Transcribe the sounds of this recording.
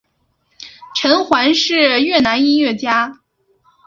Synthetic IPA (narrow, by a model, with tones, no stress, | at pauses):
ʈ͡ʂʰə˧˥nxwa˧˥nʂɻ̩˥˩ɥɛ˥˩na˧˥ni˥nɥɛ˥˩t͡ɕja˥